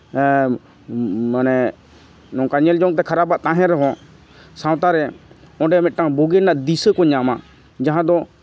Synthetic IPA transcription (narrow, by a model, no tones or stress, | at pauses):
manɛ | nɔ̃kaɲəld͡ʒɔŋt̪̬ɛkʰəɾaːbaʔt̪ãːɦɛ̃ɾəɦɔ̃ | sãːwt̪aɾɛɔ̃ɖɛmɛtʈãboɡenaʔd̪isəkɔɲama | d͡ʒaɦãd̪ɔ